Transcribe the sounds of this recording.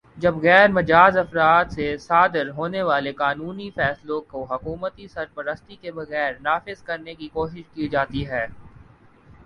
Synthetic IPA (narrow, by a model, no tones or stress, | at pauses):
d͡ʒɐbɣɛːɾmɐd͡ʒaːzɐfɾaːt̪sesaːd̪ɪɾɦoːneʋaːlekaːnuːnifɛːslokoɦɐkuːmət̪isɐɾpəɾəst̪ikebɐɣɛːɾnaːfɪzkɐɾnekikoːʃɪʃkid͡ʒaːt̪iɦɛː